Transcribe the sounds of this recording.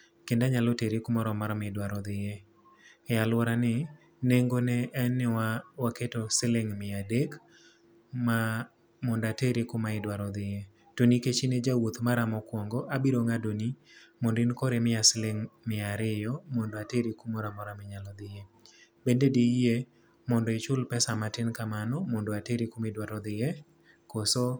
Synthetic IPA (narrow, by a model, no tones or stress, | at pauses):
kendaɲalɔteɾikumɔɾɔmaɾmɪdwaɾɔd̪ɪje | ɛalwɔɾanɪ | neŋɡonɛɛnɪwawaketɔsɪleŋmɪadek | ma | mɔndateɾikomaɪdwaɾɔd̪ɪje | toniket͡ʃined͡ʒawot̪maɾamɔkwɔŋɡɔʔabiɾoŋadonimɔndɪnkɔɾemɪasɪleŋmɪaɾɪjɔmɔndɔateɾikumoɾamɔɾamɪɲalɔd̪ɪje | bendedije | mɔndɔɪt͡ʃʊlpɛsamatɪnkamanɔmɔndɔateɾikʊmɪdwaɾɔd̪ɪje | kosɔ